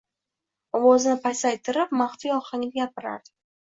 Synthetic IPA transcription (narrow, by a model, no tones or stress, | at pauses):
ɒwɒzɪnɪpʰajsajt̪ʰɪɾɪpmaχfijɒqaŋʲnɪɡʲapɪɾa̰ɾd̪̥ɪ